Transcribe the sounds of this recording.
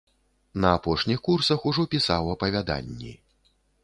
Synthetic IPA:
nɐapɔʂnʲixkursɐxuʐɔpʲisawɐpɐvʲad̪a̰nʲːḭ

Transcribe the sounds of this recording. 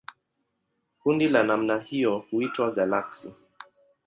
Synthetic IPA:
kundilanamnahijɔhuitwaɡalaksi

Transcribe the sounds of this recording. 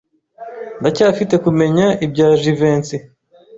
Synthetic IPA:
ndacaːfite̞kume̞ɲaib̚ɟaːʒive̞ːnt͡si

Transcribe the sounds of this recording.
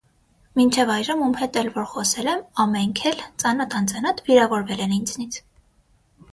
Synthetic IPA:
mint͡ʃʰɛvɑjʒəmumhɛt̪ɛlvɔɾχɔsɛlɛmɑmɛŋkʰɛlt͡sɑnɑt̪ʰɑnt͡sɑnɑt̪viɾɑvɔɾvɛlɛnind͡znit͡sʰ

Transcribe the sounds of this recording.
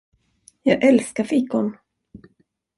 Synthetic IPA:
jɑːɡʔɛlskafiːkːʊn

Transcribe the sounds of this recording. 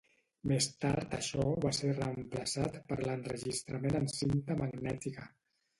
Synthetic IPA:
mest̪a̰ɾt̪əʃɔβaseɾrəəmpləsat̪pəɾlənrəʒist̪ɾəmenənsint̪əməɡnɛt̪ikə

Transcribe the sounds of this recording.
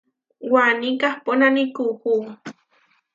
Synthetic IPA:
wanikahponanikuhu

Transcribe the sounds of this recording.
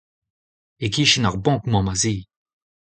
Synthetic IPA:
ekiʃinaʁbɔ̃kmɔ̃mazi

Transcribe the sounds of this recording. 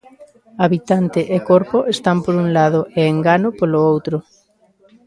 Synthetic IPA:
aβit̪ant̪ɪʔekoɾpoʔest̪ampoɾuŋlaðʊʔeːŋɡanʊpoloowt̪ɾʊ

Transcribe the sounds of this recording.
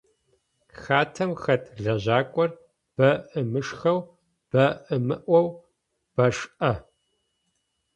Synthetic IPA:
xaːtʰɐmxɐtʰʼɮɐʑaːkʷʼɔr | b̥ɐʔɨmɨʂxɐw | b̥ɐʔɨmɨʔʷɔw | b̥ɐʂʔɐ

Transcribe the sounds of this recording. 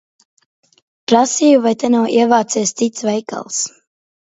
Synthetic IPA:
pɾasiːjuvajt̪ɛnawʔiɛvaːt̪siɛst̪sit̪svɛjka̰lˠs

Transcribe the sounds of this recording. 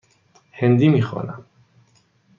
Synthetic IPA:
hend̪iːmiːxɔ̰ːnæm

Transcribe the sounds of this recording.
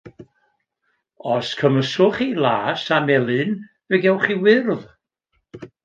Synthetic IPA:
ɔskʰəməsʊχilˠaːsamɛlˠɨn | vɛɡɛwχiwɪrð

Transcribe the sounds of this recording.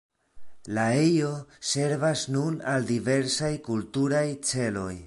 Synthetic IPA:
laejo̞se̞ɾvasnunaldive̞ɾsajkultuɾajt͡se̞lo̞̰j

